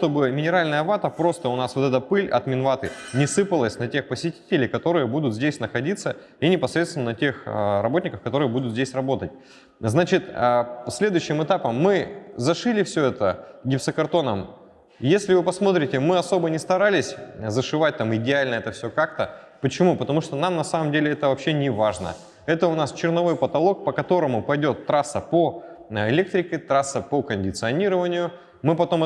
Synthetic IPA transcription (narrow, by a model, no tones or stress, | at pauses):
ʂt̪o̞bɨmʲɪnʲɪɾalʲnəjəvat̪əpɾo̞st̪əʊnasvo̞t̪ɛt̪əpɨlʲɐ̰t̪mʲɪnvat̪ɨnʲɪsɨpəlˠəsʲnɐtʲe̞xpəsʲɪtʲi̥tʲɪlʲɪjkɐt̪o̞ɾɨjəbud̪ʊt̪zʲdʲesʲnəxɐdʲit̪sə | inʲɪpɐsɾʲet̪st̪vɪnənətʲe̞xrɐbotʲnʲɪkəfkɐt̪o̞ɾɨjəbud̪ʊt̪zʲdʲesʲrɐbo̞t̪ət̚ʲ | znat͡ɕɪt̪əsʲlʲe̞d̪ʊjʉɕːɪmɨt̪apəmːɨzɐʂɨlʲɪfsʲɵɛt̪əɡʲɪfsəkɐrt̪o̞nəm | jesʲlʲɪvɨpɐsmo̞t̪̬ɾʲɪtʲɪmɨɐso̞bənʲɪst̪ɐɾalʲɪsʲzəʂɨvat̚ʲt̪amɪdʲɪalʲnəɛt̪əfsʲɵkakt̪ə | pət͡ɕɪmupət̪ɐmuʂt̪onamnɐsaməmdʲelʲɪɛt̪əvɐpɕːenʲɪvaʐnə̰ | ɛt̪əʊnast͡ɕɪrnɐvo̞jpət̪ɐlˠo̞k̚pəkɐt̪o̞ɾəmʊpɐjdʲo̞t̪ːɾasːəpoɪlʲe̞k̚t̪ɾʲɪkʲɪt̪ɾasːəpəkənʲdʲɪt̪sɨɐnʲiɾəvənʲɪjʊ | mɨpɐt̪o̞m